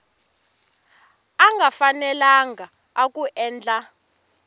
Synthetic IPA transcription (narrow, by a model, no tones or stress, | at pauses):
aŋɡʱafanɛlaŋɡaː | k̬ʼuʔɛːnd͡ɮʼa